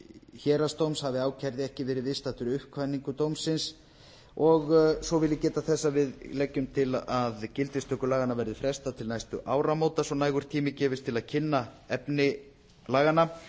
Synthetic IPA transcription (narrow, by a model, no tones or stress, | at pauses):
çɛːɾast̪owmshavɪaːwcʰɛɾðɪɛhcɪvɛːɾɪðvɪðst̪at̪ʏɾʏhkʰvanːiŋkʏt̪owmsːɪns | ɔɣsɔvɪlːɪcɛːt̪aθɛsːavɪðlɛcːʏmt̪ʰɪlaðcɪlt̪ɪst̪ʰœhkʏlaːɣanavɛɾðɪfɾɛst̪at̪ʰɪlnajst̪ʏʔaːwɾamoːwt̪asɔnaːjɣʏɾ̥t̪ʰiːmɪcɛːvɪst̪ʰɪlaðcʰɪnːa | ɛpnɪ | laːɣana